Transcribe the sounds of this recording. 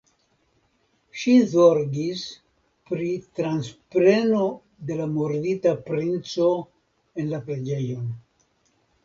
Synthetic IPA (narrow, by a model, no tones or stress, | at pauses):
ʃizoɾɡis | pɾitɾanspɾe̞no̞ | de̞lamoɾditapɾint͡so̞ | e̞nlapɾe̞d͡ʒe̞jo̞n